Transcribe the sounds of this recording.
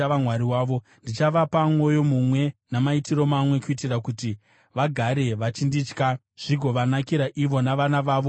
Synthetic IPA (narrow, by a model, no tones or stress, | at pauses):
amwaɾiwaːʋo̞ | ndit͡ʃaʋapamwo̞jo̞mumwe̞namaitiɾo̞mamwe̞kuitirakuti | ʋaɡʱaɾe̞ʋat͡ʃindit͡ʃka | ʐ̥iɡʱo̞ʋanakiɾaʔiʋo̞naʋanaʋaːʋo̞